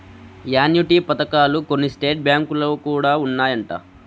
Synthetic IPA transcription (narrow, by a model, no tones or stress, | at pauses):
jaːnjuʈiːpɐt̪ɐkaːluko̞nːisʈe̞ːʈ̚bjaːŋkuloːkuːɽaːunːaːjɐɳʈa̰ː